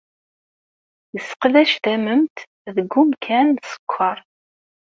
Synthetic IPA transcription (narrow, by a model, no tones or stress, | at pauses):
jəsqðæʃt̪æməmt̪ | ðəɡːumkʰænsə̥kʷʰːəɾˤ